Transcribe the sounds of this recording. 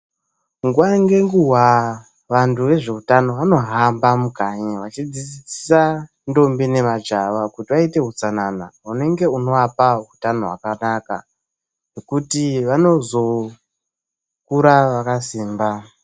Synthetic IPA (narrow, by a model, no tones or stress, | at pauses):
ŋɡuʋaŋɡe̞ŋɡuɦwa | ʋantʰuʋe̞ʐe̞utano̞ʋano̞ɦambamukaɲaʋat͡ʃid͡zid͡zisi̥sa | ndo̞mbine̞mad͡ʒaʋakutiʋaite̞ɦut͡sanana̰une̞ŋɡe̞uno̞ʋapaɦutano̞ɦwa̰kanaka̰ | nekutiʋano̞zo̞ | kuɾaʋakasiːmba